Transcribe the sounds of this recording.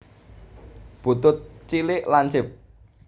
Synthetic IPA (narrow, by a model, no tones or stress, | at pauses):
b̥ṳt̪ʊt̪̚t͡ʃilɪʔlaɲt͡ʃɪp̚